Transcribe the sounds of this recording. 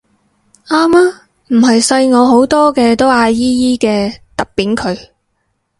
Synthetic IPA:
ʔaː˥maː˥ | m̩˨˩ɦɐ˨jsɐ˧jŋɔː˨˧ɦo˨˥wt̪ɔː˥kɛː˧t̪o˥waː˧jiː˥jiː˥kɛː˧t̪ɐ˨k̚piː˨˥nkʰɵ˨˧ɥ

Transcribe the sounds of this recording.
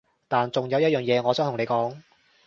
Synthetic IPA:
t̪aː˨nt͡sʊ˨ŋjɐ˨˧wjɐ˥t̚jœː˨ŋjɛː˨˧ŋɔː˨˧˥sœː˥ŋt̪ʰʊ˨˩ne˨˧kɔː˨˥ŋ

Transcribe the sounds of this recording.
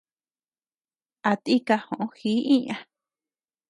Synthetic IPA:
a˧t̪i˦ka˧hõ˨ʔõ˧xiː˨˦ʔĩ˦ʔɲã˧

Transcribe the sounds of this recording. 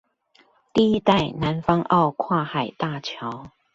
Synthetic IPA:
t̪i˥˧i˦˥t̪a˥˩jna˨˦nfa˥ŋʔɑ˥˧ʊkʰwa˥˧xa˨˩ɪt̪a˥˧t͡ɕʰjɔ˨˦ʊ

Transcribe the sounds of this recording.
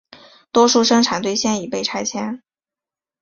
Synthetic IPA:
t̪wɔ˥ʂu˥˩ʂɤ˥ŋʈ͡ʂʰa˨˩nt̪we˥˧ɪɕjɛ˥ni˨˩pe˥˩ɪʈ͡ʂʰa˥ɪt͡ɕʰjɛ˥n

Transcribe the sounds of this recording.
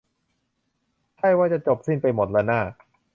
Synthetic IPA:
t͡ɕʰa˥˩jwaː˥˩t͡ɕa˨˩t͡ɕo˨˩p̚si˥˩npa˧jmo˨˩t̪̚la˧naː˥˩

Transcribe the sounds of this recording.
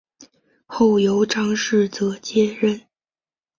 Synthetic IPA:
xo˥˩ʊjo˧˥ʊʈ͡ʂɑ˥ŋʂɻ̩˥˩t͡sɤ˧˥t͡ɕjɛ˥ɻə˥˩n

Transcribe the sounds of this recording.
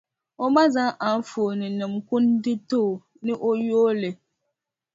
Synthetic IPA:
o˦ma˦za˦ʔa˨n˦fo˨nɨ˨nɨ˨mkʊ˦ndɨ˦to˦˨ | nɨ˦ʔo˦joː˦lɨ˨

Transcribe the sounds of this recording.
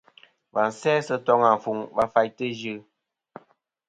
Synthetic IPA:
va˨n˨sɛː˦sə˦tɔ˦ŋa˨ɱ̩˨fu˨ŋva˦fa˦jtə˦d͡ʒɨ˦

